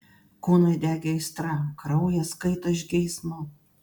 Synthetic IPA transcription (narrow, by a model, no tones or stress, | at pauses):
kuːnɐɪd̪ʲæːɡʲɛɪst̪ɾɑkɾɐʊjɛskɐɪt̪oːɪʒʲɡʲɛɪsmo